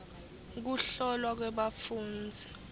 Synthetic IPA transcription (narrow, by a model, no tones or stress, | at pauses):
k̬uɬɔlwak̬wɛɓafuːnd͡zʱi